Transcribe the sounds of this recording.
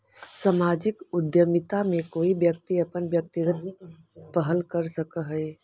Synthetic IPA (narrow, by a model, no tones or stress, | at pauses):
səmaːd͡ʒɪkʊd̪jəmɪt̪amẽkoːibjək̚t̪iəpənbjək̚t̪iɡət̪ | pəɦəlkəɾsəkəɦɛe